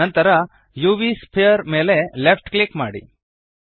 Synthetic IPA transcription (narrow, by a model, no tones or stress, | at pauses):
ɐnt̪ɐɾɐ | juːʋispʰijɐɾmeːlelepʰʈklikma̰ːɽḭ